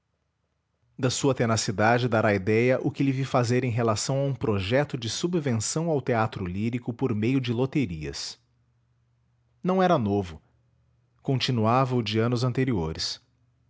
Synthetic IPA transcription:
d̪ɐsuɐt̪enasid̪ad͡ʒɪd̪aɾaid̪ɛjɐʔʊkɪlɪvifazeɾẽj̃ɦelasɐ̃w̃aũpɾoʒɛt̪ʊd͡ʒɪsubvẽsɐ̃w̃awt̪eat̪ɾʊliɾikʊpoɾmejʊd͡ʒɪlot̪eɾiɐ̰s | nɐ̃w̃ɛɾɐnovʊ | kõnt͡ʃinuavɐʊd͡ʒiɐ̃nʊzɐ̃nt̪eɾioɾɪs

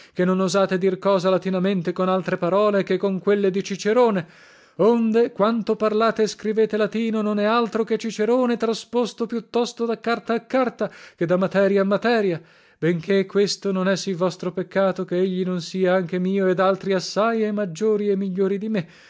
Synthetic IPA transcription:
kenːonozaːt̪ed̪irkɔːzalat̪inament̪ekonalt̪ɾepaɾɔːlekekːoŋkwelːed̪it͡ʃit͡ʃeɾoːne | ond̪ekwant̪oparlaːt̪eskɾiveːt̪elat̪iːnononɛalt̪ɾoket͡ʃːit͡ʃeɾoːnet̪ɾaspost̪opjut̪ːɔst̪od̪akːart̪aːkːart̪aked̪amːat̪ɛːɾjaːmːat̪ɛːɾja | beŋkʰekwest̪ononɛsilvɔst̪ɾopekːaːt̪okeeʎːinonsiːaaŋk̟emiːoed̪alt̪ɾiasːajemːad͡ʒːoːɾiemːiʎːoːɾid̪ime

